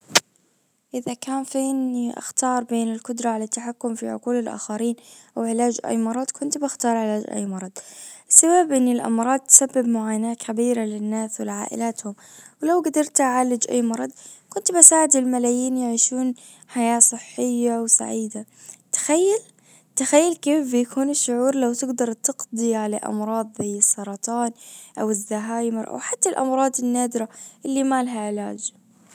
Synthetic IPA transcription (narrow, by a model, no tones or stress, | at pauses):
ʔɪðakaːnfiːniʔa̰xt̪ɑːɾˤbeːnɪlkʊd̪ɾˤɑʕalat̪ːaħakːʊmfḭʕʊ̰quːlɪlʔa̰ːxaɾiːnʔawʕɪlaːd͡ʒʔa̰jmɑɾˤɑd̪ˤkʰʊnt̪baxt̪ɑːɾˤʕɪlaːd͡ʒʔa̰jːmɑɾˤɑd̪̥ˤʔɪsːabaːbʔɪnːɪlʔɑ̰mɾˤɑːd̪̚t̪sabːɪbmʊʕaːjnaːt̪kʰabiːɾalɪnːaːswɪlʕa̰ːʔɪ̰laːt̪hʊm | wɪlawɡad̪ɑɾˤt̪ʔaʕalːɪd͡ʒʔa̰jːmɑɾˤɑd̪ˤkʊnt̪basaːʕɪd̪ɪlmalaːjiːnjɪʕiːʃuːn | ħajaːsˤɨħːɪjːawsa̰ʕiːd̪a | t̪ɪ̥xajːal | t̪ɪxajːalkeːfbɪjakʰuːnɪʃːʊʕuːɾlawt̪ɪɡd̪ɑɾˤt̪ɪqd̪ˤiʕala̰ʔɑ̰mɾˤɑːðˤbajɨsˤːɑɾˤɑt̪ˤɑːnʔawɪðːaɦaːjmɪɾˤʔa̰wħḁt̪ːalʔɑ̰mɾˤɑːd̪ˤɪnːaːd̪ɪɾaʔɪlːimaːlɦaʕɪla̰ːd͡ʒ